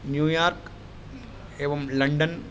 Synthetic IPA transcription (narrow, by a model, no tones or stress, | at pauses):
njuːjaːɾk | eːʋɐmlɐɳɖən